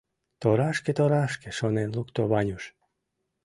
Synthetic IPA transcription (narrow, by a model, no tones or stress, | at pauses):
t̪oɾɑʃket̪oɾɑʃkĕʃonenlukt̪oβɑnʲuʃ